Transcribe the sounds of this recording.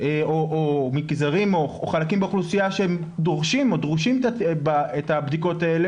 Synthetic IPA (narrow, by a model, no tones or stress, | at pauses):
eoʔomikzaʁimooχalakimbeχlusijaʃeem | d̪oʁʃimo̞d̪ʁuʃimaebaetabdiko̞taele